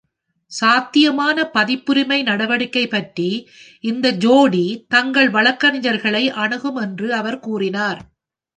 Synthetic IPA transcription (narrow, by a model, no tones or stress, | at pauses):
saːt̪ːɪjɐmaːnɐpɐðɪpːʊɾɪmɐɪnɐɽɐʋɐɽɯkːɐɪpːɐʈri | ɪnd̪ɐd͡ʒoːɽit̪ɐŋɡɐɭʋɐɭɐkːɐnɪjɐɾɣɐɭɐɪʔɐɳɯɣɯmɛndrɯɐʋɐɾkuːrɪnaːɾ